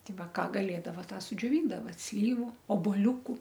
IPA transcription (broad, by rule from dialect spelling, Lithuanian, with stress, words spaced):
ˈtʲɪ ˈʋɐ ˈkɑː ɡɐˈlʲeːdɐʋɐ ˈtɑː sʊd͡ʒʲoːˈʋʲiːndɐʋɐ ˈsʲlʲiːʋʊ oːboːlʲˈuːkʊ